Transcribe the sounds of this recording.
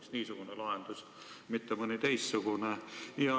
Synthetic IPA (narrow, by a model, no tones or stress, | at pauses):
ksniːsukunelɑˑent̪usʲ | mit̪ːæmonit̪eisːukunæihɑ